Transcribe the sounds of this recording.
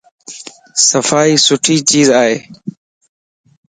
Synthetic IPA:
səfaːiːsʊʈʰiːt͡ʃiːzaːɦeː

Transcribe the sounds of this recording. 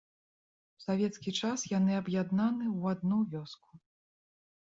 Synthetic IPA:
w̥savʲɛt̪skʲit͡ʂasjanɨɐbjad̪nanɨwad̪nuvʲɔsku̥

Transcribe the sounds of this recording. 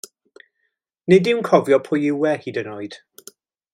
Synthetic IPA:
nedɪwnkʰɔvjɔpʰʊjɪwɛhiːdənoːɨd̥

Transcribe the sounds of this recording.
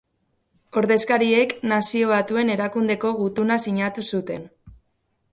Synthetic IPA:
o̞ɾðe̞skaɾie̞knasio̞β̞at̪ue̞ne̞ɾakund̪e̞ko̞ɣut̪unasiɲat̪usut̪e̞̰n

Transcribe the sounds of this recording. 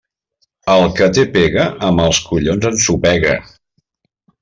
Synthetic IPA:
əlˠkət̪epeɣəʔəməlˠskuʎonzənsupɛɣə̰

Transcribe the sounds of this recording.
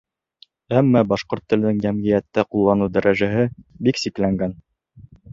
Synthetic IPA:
æmːæbɑʃqoɾt̪ːɘ̆lɘ̆nɘ̆ŋjæmʁijæt̪ːæqulˠːɑnud̪æɾʔæʒæɦɘbiksiklæŋɡæn

